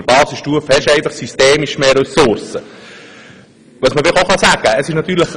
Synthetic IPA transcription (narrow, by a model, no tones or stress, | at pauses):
ɾbɑːsəsʃtuəfhɛʃɛɪfɑχsysteːmiʃmeːɾœsʊɾsə | ʋɑsməfɪχoχɑsæɡ̥əəsɪʃnɑt̪ːyːɾləχ